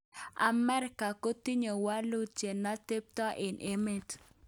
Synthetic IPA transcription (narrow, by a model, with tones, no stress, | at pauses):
a̰˨mɛ˦ɾɪka˨ko˦t̪i˦ɲo˨wa˦lu˦t͡ʃe˨na˦t̪e˦p̚t̪ɔ˦ʔɪ˨nʔe˦me˦t